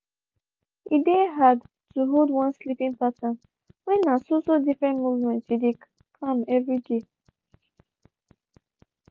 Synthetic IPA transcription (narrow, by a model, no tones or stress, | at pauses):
ʔideɦad | tuɦodwãnslipĩŋpasɔ̃n | wɛ̃nːasosodifɹɛ̃ntmuvmɛ̃ntside | kʰãmɛvɹide